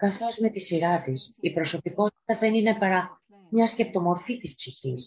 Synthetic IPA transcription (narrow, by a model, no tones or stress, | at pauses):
kɐθo̞zme̞t̪isiɾɐt̪isipɾo̞so̞piko̞t̪i̥t̪ɐðenine̞pɐɾɐ | mɲɐsce̞p̚t̪o̞mo̞ɾfit̪ispsiçis